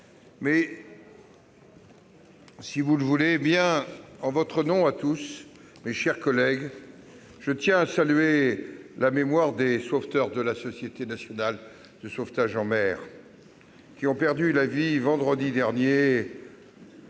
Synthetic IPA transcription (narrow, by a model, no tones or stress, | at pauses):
mɛ | sivuləvulebjɛ̃ɑ̃vɔt̪χənɔ̃at̪us | meʃɛʁkɔlɛɡ | ʒ̥ət̪jɛ̃asalyelamemwaʁd̪esoft̪œʁd̪əlasɔsjet̪enasjɔnal | d̪̥əsoft̪aʒɑ̃mɛːʁ | kʲiɔ̃pɛʁd̪ylavivɑ̃d̪ʁəd̪id̪ɛʁnje